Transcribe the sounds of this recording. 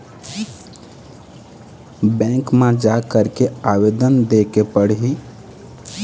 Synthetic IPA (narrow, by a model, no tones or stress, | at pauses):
bɛ̃ŋkmãd͡ʒakəɾkeaʋed̪ənd̪ekepəɽ̤ɦi